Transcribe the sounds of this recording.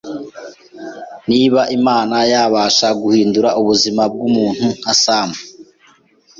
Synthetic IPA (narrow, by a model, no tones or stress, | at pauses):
niβaʔimaːnajaːβaːʃaɡuhiːnduɾaʔuβuzimab̚ɡumuːn̥huŋ̥asaːma